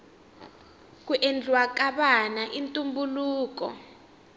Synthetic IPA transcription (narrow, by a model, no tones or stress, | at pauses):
k̬uʔend͡ɮwak̬ʼaɓanaʔintʼumbuluːk̬ɔ̰